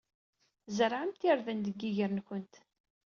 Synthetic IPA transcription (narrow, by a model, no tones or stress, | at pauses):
zəɾʕəmt̪iɾðənd̪əɡːiʝəɾnçʊnt̪